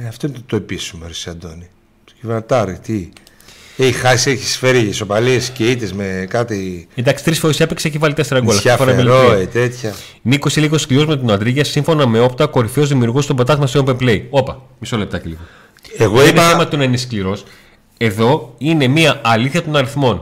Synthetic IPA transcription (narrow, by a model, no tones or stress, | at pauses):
eɐft̪oint̪oepisumeɾisiɐd̪oni̥ | civɐɾt̪ɐɾit̪i | eixasieçi̥sfeɾiʝeso̞paliesceit̪ezmekat̪iend̪ɐksi̥t̪ɾisfoɾisepikseçivɐlit̪est̪ɾɐɡolɐɐfoɐmeloet̪et̪çɐ | nikosiliɣo̞sklio̞zmet̪onɐd̪ɾiʝɐsiɱfo̞nɐme̞o̞pt̪ɐko̞ɾiθo̞zðimiuɾɣust̪o̞bɐt̪ɐzmɐseopemple̞io̞pɐ | misole̞p̚t̪ɐceliɣo | eɣoineɐemɐt̪onɐiniskliɾo̞s | e̞ðo̞ine̞miɐɐliθçɐt̪o̞nɐɾiθmo̞n